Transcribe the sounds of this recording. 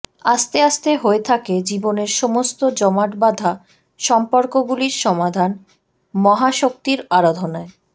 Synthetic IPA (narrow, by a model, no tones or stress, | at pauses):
ast̪east̪eɦoet̪ʰaked͡ʑiboneɾʃomost̪od͡ʑɔmaʈbad̪ʱa | ʃɔmpoɾkoɡuliɾʃɔmad̪ʱan | mɔɦaʃok̚t̪iɾaɾad̪ʱonae